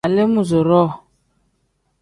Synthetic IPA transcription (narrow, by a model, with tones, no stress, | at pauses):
a˨le˦mu˦˨zo˨ɾɔ˦˨